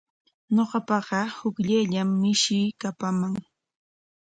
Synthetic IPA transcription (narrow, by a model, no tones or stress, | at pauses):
ɲoɢɑpɑɢɑhʊkʎajʎamːɪʃɪjkapamaŋ